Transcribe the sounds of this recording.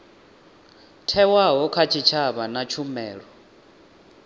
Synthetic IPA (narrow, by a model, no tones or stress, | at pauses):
tʰɛwaɦɔkʰat͡ʃʰit͡ʃʰaβanat͡ʃʰumɛːɺɔ